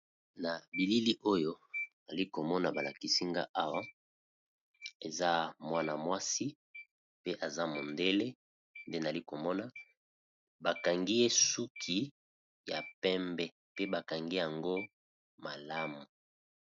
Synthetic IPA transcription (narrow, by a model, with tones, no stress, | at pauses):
na˨bi˨li˦li˦ʔo˦jo˦na˨li˦ko˨mɔ˦na˨ba˨la˨ki˨si˦ŋɡa̰˦ʔa˦wa˦ | e˨za˦mwa˦na˨mwa˦si˦ | pe˦ʔa˨za˦mo˨nde˦le˦ | nde˦na˨li˦ko˨mɔ˦na˨ | ba˨ka˨ŋɡi˦je˦su˦kʰi˦ | ja˨pɛ˦mbɛ˨ | pe˦ba˨ka˨ŋɡi˦ja˨ŋɡo˦ | ma˨la˦mu˨